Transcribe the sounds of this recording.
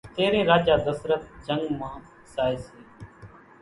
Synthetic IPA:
t̪eːɾẽːɾaːd͡ʒaːd̪əsɾət̪̚d͡ʒəŋɡmãː | saːeːseː

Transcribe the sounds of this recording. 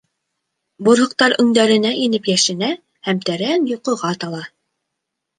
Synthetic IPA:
bŏɾɦɤ̆q̚t̪ɑɾɵ̆ŋd̪æɾɘ̆næʔinɘpjæʃɘ̆næ | hæmt̪æɾænjŏqɤ̆ʁɑt̪ɑlˠɑ

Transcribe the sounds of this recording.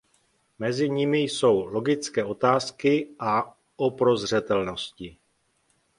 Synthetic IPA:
mɛzɪɲɪmɪjso̞wlo̞ɡɪt͡skɛːo̞t̪aːskɪʔa | ʔopɾo̞zr̝ɛt̪ɛlno̞scɪ

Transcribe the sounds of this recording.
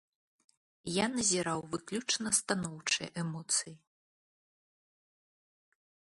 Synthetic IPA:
janɐzʲiɾawvɨklʲut͡ʂnɐst̪anɔwt͡ʂɨjʔɛmɔt̪sɨji

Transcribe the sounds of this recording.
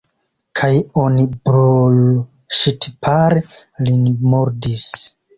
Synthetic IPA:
kʰajonibɾoju | ʃitpʰaɾe | linmoɾdis

